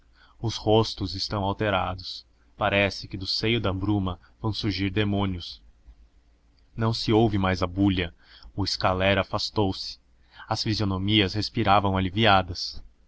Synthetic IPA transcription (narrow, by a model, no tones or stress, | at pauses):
ʊshost̪ʊzɪst̪ɐ̃w̃awt̪eɾad̪ʊs | paɾɛsɪkɪd̪ʊsejʊd̪ɐbɾumɐ | v̥ɐ̃w̃suɾʒiɾd̪emõniʊs | nɐ̃w̃sɪowvɪmajzɐbuʎɐ | ʊɪskalɛɾafast̪owsɪ̥ | ɐsfizionomiɐshespiɾavɐ̃w̃aliviad̪ɐs